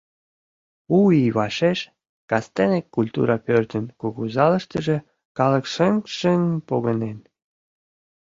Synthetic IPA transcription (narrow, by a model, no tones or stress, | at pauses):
uiβɑʃeʃ | kɑst̪enekːulʲt̪ṵɾʔɑpørt̪ənkuɣuzɑlə̆ʃt̪ə̆ʒĕ | kɑlə̆kʃəŋʃəŋpoɣənen